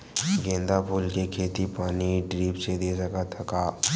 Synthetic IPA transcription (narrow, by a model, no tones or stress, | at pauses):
ɡẽːnd̪apʰuːlkekʰeːt̪ipaːniɖɾiːpsed̪eːsəkat̪ʰɐkaː